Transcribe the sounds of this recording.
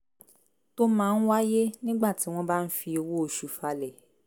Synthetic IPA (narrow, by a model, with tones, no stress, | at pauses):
to˦mãː˦˧n̩˦wa˦je˦nĩ˦ɡ͡ba˦˨ti˨˦w̃ɔ̃˦ba˦n̩˦fi˧o˧wo˦o˧ʃu˨fa˧lɛ˦˨